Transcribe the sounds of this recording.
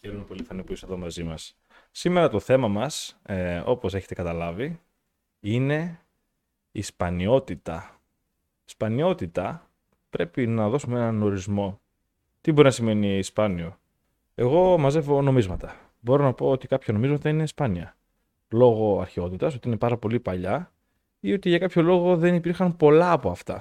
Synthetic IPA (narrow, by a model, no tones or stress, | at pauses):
çeɾumepo̞lifɐnipuiseðo̞mɐzimɐsː | ime̞ɾɐt̪o̞θe̞mɐmɐso̞po̞se̞çe̞t̪ekɐt̪ɐlɐvi | ine̞ | ispɐnio̞t̪it̪ɐ̰ | ispɐnio̞t̪it̪ɐ | pɾe̞pinɐðo̞sumeenɐno̞ɾizmo̞ | t̪ibo̞ɾinɐsime̞niːspɐnio̞ | e̞ɣo̞mɐze̞vo̞no̞mizmɐt̪ɐ | bo̞ɾo̞nɐpo̞ot̪ikɐpçɐno̞mizmɐt̪ɐine̞ispɐniɐ | lo̞ɣo̞ɐ̰ɾçeo̞t̪it̪ɐs̬ot̪iine̞pɐɾɐpo̞lipɐʎɐ | io̞t̪iʝɐkɐpço̞lo̞ɣo̞ðe̞nipiɾxɐmpo̞lɐːpo̞ɐft̪ɐ